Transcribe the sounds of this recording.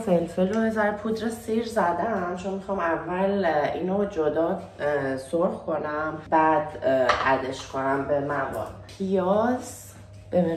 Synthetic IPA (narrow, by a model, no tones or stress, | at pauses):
felfeɾozæɾpʰud̪ɾesiɾzæd̪æɾnæmt͡ʃʰonmixɒːmævːælinod͡ʒod̪ɒː | soɾxkʰo̞næmbæd̪ʔæd̪eʃkʰonæmbemævɒ̰lpʰijɒs | b̥e